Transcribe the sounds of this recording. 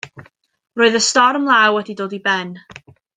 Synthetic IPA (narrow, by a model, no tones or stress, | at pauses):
roːɨðəstɔrmlˠawɛdidoːdibɛn